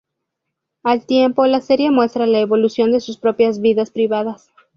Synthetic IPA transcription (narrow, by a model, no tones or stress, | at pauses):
alt̪je̞mpo̞lase̞ɾje̞mwe̞st̪ɾalaeβo̞lusjo̞nd̪e̞suspɾo̞pjazβiðaspɾiβaðas